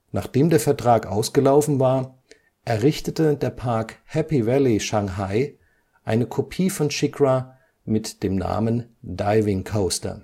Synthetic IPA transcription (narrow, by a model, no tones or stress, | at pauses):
na̰ːχd̥eːmdeːɐfɛɐtʁ̥aːkʔa̰ʊsɡ̥əlaʊfn̩vaːɐ | ʔɛɐʁɪçtətədeːɐpʰaɐkhɛpivɛliʃaŋɦaɪ | ʔaɪnəkʰopʰiːfɔnʃɪkʁa | mɪtd̥eːmna̰ːməndaɪvɪŋkʰoʊstɐ̰